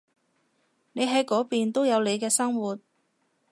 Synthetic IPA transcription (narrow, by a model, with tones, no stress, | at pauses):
ne˨˧jɦɐ˨˥jkɔː˨˥piː˨nt̪o˥wjɐ˨˧wle˨˧jkɛː˧sɐ˥ŋwuː˨t̚